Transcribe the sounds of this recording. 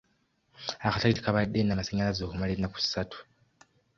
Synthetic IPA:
akataɾiti̥kaβadenamaseɲalazoːkumaleinaku̥si̥satʰu̥

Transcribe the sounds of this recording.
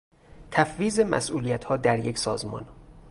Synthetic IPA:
t̪ʰæfviːze̞mæ̰sʔuːlijæt̪ʰhɒːd̪æɾje̞cʰsɒːzmɒ̰ːn

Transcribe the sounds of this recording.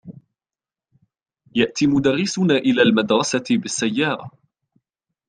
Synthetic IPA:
jaʔt̪iːmʊd̪ɑɾːɪsʊnaːʔɪlaːlmad̪ɾˤɑsaɪbɪsːajːɑːɾˤɑ

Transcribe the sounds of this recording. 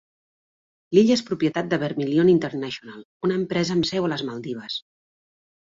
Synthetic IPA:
liʎespɾupjət̪at̪̚d̪əβəɾmilionint̪əɾnaʃiunalˠ | unəːmpɾɛzəːmsɛwələzməlˠd̪iβ̞əs

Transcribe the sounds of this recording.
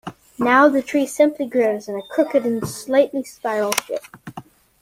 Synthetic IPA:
naʊðɨtʰɹ̥isɪ̃mpʰliɡɹoʊzɨ̃nɨkʰɹ̥ʊkɨɾɨ̃nslaɪʔˡlispaɪɹl̩ˠʃɪ̰p̚

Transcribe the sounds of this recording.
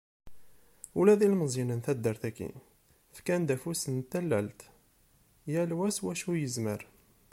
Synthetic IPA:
ulæðilməzˤinənθæd̪ːəɾθækːḭ | fkænd̪æfusənt̪ːælːælt̪ | jælwæswæʃujəzməɾ

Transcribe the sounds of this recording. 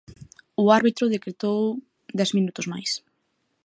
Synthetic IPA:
ʊaɾβit̪ɾʊð̞ekɾet̪ow | d̪ɛzminut̪ʊzmajs

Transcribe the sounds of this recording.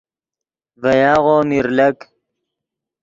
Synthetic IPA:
vɐjaːʁoːmiɾlɐk

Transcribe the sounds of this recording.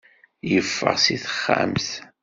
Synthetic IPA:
jəfːə̰ʁsiθə̥χːa̰mθ

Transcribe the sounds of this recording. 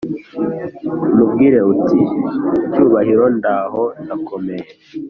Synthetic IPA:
umubɡiːɾeuticuːβaɦiɾo̞ndaɦo̞ndako̞me̞je

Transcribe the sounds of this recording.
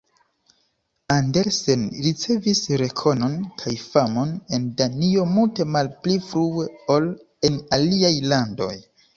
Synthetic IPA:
ande̞ɾse̞nɾit͡se̞visɾe̞kʰo̞no̞nkʰajfamo̞ne̞ndanio̞multe̞malplifɾue̞ol | e̞naliajlando̞̰j

